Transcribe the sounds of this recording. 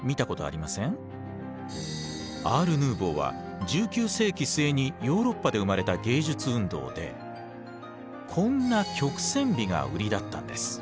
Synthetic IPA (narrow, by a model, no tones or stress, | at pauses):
mʲit̪ako̞t̪o̞a̰ɾʲimasẽ̞ŋ | aːɾɯ̟nɯːbo̞ːβa̰ | d͡ʑɨːkʲɨːse̞ːkʲise̞ːɲ̟ijo̞ːɾo̞pːad̪e̞ɯ̟maɾe̞t̪aɡe̞ːʑɨt͡sɨɯ̟̃nd̪o̞̰ːd̪e̞̰ | kʰõ̞nːakʲo̞kɯ̟̥sẽ̞mbʲiɡa̰ɯ̟ɾʲid̪at̪ːã̰nd̪e̞sɨ̥